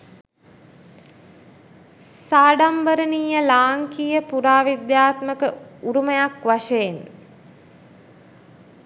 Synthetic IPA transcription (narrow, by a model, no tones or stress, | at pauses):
saːɖambəɾəniːjəlaːŋkijəpuɾaːʋid̪jaːt̪məkəuɾuməjakʋaʂejen